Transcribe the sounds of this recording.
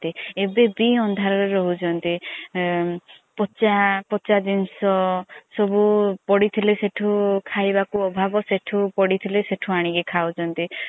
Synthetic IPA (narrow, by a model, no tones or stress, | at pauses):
t̪iebebiɔnd̪ʱaɾɔɾeɾɔɦud͡ʒʰɔnt̪i | pɔt͡ʃapɔt͡ʃad̪insɔsɔbupɔɽit̪ʰileseʈʰukʰajbakuɔbʱabɔseʈʰupɔɽit̪ʰileseʈʰuaɽ̃ikekʰawt͡ʃʰɔnt̪i